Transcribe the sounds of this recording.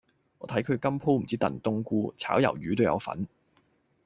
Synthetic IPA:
ŋɔː˨˧t̪ʰɐ˨˥jkʰɵ˨˧ɥkɐ˥mpʰo˥wm̩˨˩t͡siː˥t̪ɐ̰˨˩nt̪ʊ˥ŋkuː˧t͡sʰa̰ː˨˥wjɐ̰˨˩wjyː˨˧t̪o˥wjɐ̰˨˧wfɐ̰˨˥n

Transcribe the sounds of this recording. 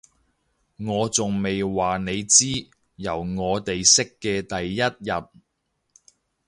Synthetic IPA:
ŋɔː˨˧t͡sʊ˨ŋme˨jwaː˨ne˨˧jt͡siː˥ | jɐ˨˩wŋɔː˨˧t̪e˨jsɪ˥kːɛː˧t̪ɐ˨jːɐ˥t̚jɐ˨t̚

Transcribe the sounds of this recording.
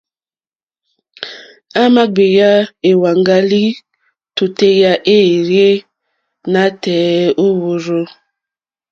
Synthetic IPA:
a˦ma˦ɡ͡be˨ja˦e˨wa˨ŋɡa˦li˦ | to˨te˦ja˦ʔe˦˨ɾje˦ | na˦tɛː˨o˦wo˨ɾo˦

